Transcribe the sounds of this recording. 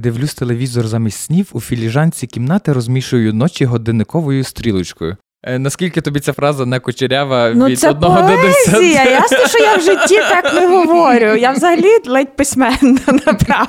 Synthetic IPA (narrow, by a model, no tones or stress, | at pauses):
d̪ɪwlʲust̪elˠeʋʲizɔrzɑmʲisʲsʲnʲiwufʲilʲiʒɑnʲt͡sʲikʲimnɑt̪ɪɾɔzmʲiʃʊjʊjʊnɔt͡ʃʲiɦɔd̪ɪnɪkɔʋɔjʊst̪ɾʲilˠʊt͡ʃkɔjʊ̰ | nɐskʲilʲkɪt̪ɔbʲit͡sʲafɾɑzɐnɛkʊt͡ʃɪɾʲaʋɐnuisɛɔd̪nɔɦɔɛd̪ʊsʲijɐjasɔʃɔjawʒɪtʲːit̪ɑknɛɦɔʋɔɾʲʊjawzɐɦɐlʲid̪lˠɛt̚ʲpɪsʲmɛnːɐnɐpɾɑ